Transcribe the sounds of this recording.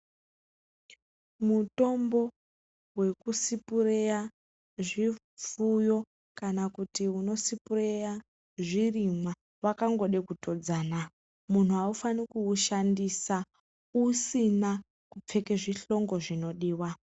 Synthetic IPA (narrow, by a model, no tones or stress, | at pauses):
muto̞mbo̞ | we̞kusipureja | ʐi | fujo̞ | kanakutiuno̞sipureja | ʐirimwa | wakaŋɡo̞ɗekutʰo̞d͡zana | mun̤uaufanikuːʃandisa | usina | kup͡fe̞keʐiɬo̞ŋɡo̞ʐino̞ɗiːwa